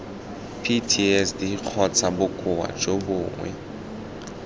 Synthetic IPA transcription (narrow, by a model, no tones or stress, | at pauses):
pʰitʰiɛsdik͡xʰɔt͡sʰabukʼuwa̰t͡ʃʼoɓuːŋwɛ̰